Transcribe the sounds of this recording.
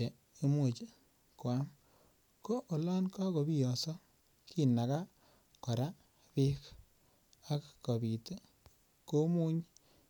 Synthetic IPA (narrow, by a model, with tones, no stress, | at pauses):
e˨ | e˦mu˨t͡ʃe˦ | kwa˦m | ko˦ʔo˨lɔ˦nka˦ko˨bi˦jɔ˨sɔ˦ | ki˦na˨ka˦ | kɔ˨ɾa˦ | pi˦k | a˦kko˨bi˨te˦ | ko˦mu˦ɲ